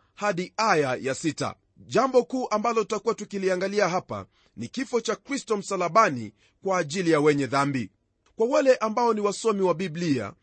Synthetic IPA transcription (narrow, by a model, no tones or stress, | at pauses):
haɗiajajasita̰ | ʄambɔkuːʔambalɔtutakuwatukiliaŋɡaliaɦapa̰ | nikifɔt͡ʃakɾistɔm̩salaɓani | kwaːʄilijawɛɲɛðambi | kwawalɛʔambaɔniwasɔmiwaɓiblia̰